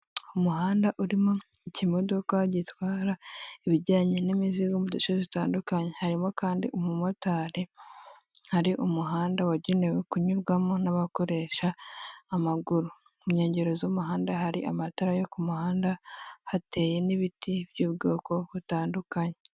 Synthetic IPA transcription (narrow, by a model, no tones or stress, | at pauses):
umuɦaːndaʔuɾimo | icimo̞do̞kaɟitwaːɾaiβiɟaːɲenimiziɡomudoʃezitaːndukaɲe̞haɾimokaːndḭʔumumotaːɾe | haɾiʔumuɦaːndawaɟinewekuɲuɾɡwamonaβako̞ɾe̞ʃaː | maɡuɾu | mɲe̞ːɲɟeɾo̞zomuɦaːndaɦaɾḭʔamataɾajokumuhaːndahate̞ːje̞niβitiβ̥juːbɡo̞ːko̞βutaːndukaɲe